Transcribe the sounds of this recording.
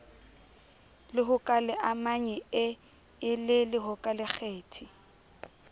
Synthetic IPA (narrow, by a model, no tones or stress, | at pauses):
lɪɦʊkʼalɪʔamaɲɛɪ | ɪlɪlɪɦʊkʼalɪk͡xʰeːtʰi